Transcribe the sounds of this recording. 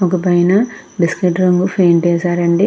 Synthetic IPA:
okɐpɐjnɐbiskiʈɾɐŋɡupʰejnt͡ʃeːsaːɾɐɳɖi

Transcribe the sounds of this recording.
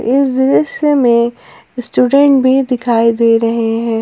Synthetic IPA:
ɪsd̪ɪɾəsemẽ | sʈuːɖɛ̃ɳʈ̚bʱid̪ɪkʰaːid̪eːɾɐɦeɦɛ̃ː

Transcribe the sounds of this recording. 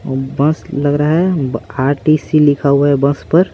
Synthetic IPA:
bə̃slɐɡɾaɦɛaːɾʈisilɪkʰaːuɛbə̃spəɾ

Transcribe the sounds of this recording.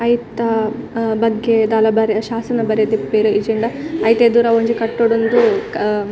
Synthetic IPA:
ɐjt̪ɐbɐɡːed̪aːlɐbɐɾeʃaːsɐnɐbɐɾet̪ipːeɾued͡ʒeɳɖɐɐjt̪ed̪uːɾɐoɲd͡ʒikɐʈːoɽund̪u

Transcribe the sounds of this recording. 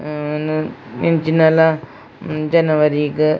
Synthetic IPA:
nent͡ʃinala | d͡ʒɐnɐʋɐɾikɨ

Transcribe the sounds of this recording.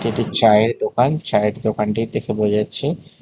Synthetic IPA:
eʈit͡ɕaeɾd̪okant͡ɕaeeɾd̪okanʈit̪ekʰebod͡ʑatːɕʰe

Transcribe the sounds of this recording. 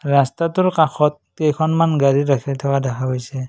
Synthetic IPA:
ɹastatʊɹkaxʰɔt̚ːɛjkʰɔnmanɡaɹiɾakʰitʰɛwadakʰaɦojsɛ

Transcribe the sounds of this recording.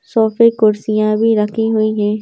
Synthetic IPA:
sɔːfekʊɾsijãbʱiɾɐkʰiɦuiɦɛ̃ː

